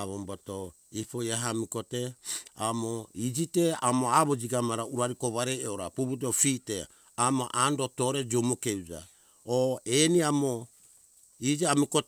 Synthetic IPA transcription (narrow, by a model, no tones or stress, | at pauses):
aβombato | ipojaɦamiko̞te̞amoid͡ʒite̞amoaβod͡ʒiɡamaɾauɾaɾiko̞βaɾejoɾapuputofite | amoʔando̞to̞ɾe̞d͡ʒomokeud͡ʒa̰ | oeniamo | id͡ʒiamiko